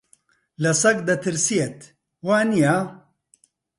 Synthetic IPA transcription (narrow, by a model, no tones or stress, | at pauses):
lɐsɐkd̪ɐt̪ʰɨɾsijet̪ | waːnijaː